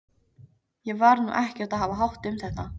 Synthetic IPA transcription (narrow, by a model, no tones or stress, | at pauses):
jɛɣvaɾnṵːʔɛhcɛɾt̪aðɦavaɦawht̪ʏmθɛht̪a